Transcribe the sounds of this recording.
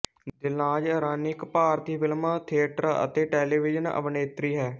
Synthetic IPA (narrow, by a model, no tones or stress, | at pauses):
d̪ɪlãːd͡ʒəɾaːnɪkpaːɾt̪iːpɪlmaːt̪ʰiəʈɾə̰t̪eːʈeːliːʋɪd͡ʒənə̰ʋneːt̪ɾiːɦɛː